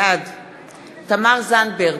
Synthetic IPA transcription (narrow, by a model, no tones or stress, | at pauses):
ad̪ | t̪amaʁzanbeʁ